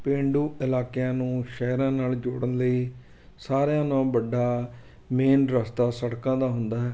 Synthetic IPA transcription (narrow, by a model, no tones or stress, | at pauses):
pẽːɳɖuːʔɪlaːkɪjãːnũːʃɛːɾãːnaːld͡ʒo̰ːɽənləiː | saːɾjãːnãːbəɖːaː | meːnɾəst̪aːsəɽkãːd̪aːɦʊnd̪aːɦɛː